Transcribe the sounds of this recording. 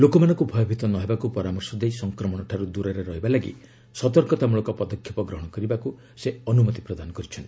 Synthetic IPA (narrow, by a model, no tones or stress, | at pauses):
lokɔmanɔ̃ŋkubʱɔjɔbʱit̪ɔnɔɦebakupɔɾamɔɾsɔd̪ejsɔŋkɾɔmɔɽ̃ɔʈʰaɾud̪uɾeɾeɾɔɦibalaɡḭ | sɔt̪ɔɾkɔt̪amuɭɔkɔpɔd̪ɔkʰːjepɔɡɾɔɦɔɽ̃ɔkɔɾibaku | seɔnumɔt̪ipɾɔd̪anɔkɔɾit͡ʃʰɔnt̪i̥